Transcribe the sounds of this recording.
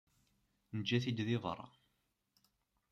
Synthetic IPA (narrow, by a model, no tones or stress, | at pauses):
nəd͡ʒːæθid̪ðɪðˤə̰ɾˤɑ̰